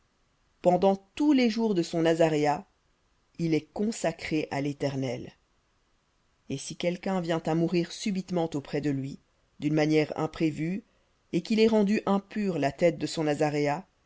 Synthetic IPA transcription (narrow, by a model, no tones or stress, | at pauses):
pɑ̃d̪ɑ̃t̪uleʒuʁd̪əsɔ̃nazaʁea | ilɛkɔ̃sakχeʔa̰let̪ɛʁnɛl | esikʲɛlkʲɛ̃vjɛ̃t̪amuʁiʁsybit̪mɑ̃t̪opχɛd̪əlɥi | d̪ynmanjɛʁɛ̰̃pχevy | ekilɛʁɑ̃d̪yʔɛ̃pyʁlat̪ɛt̪̚d̪əsɔ̃nazaʁea